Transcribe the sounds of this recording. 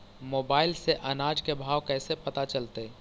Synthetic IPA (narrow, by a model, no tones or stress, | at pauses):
moːbaːɪlseʔɐnaːd͡ʒkebʱaːwkɛːsepɐt̪at͡ʃəlt̪e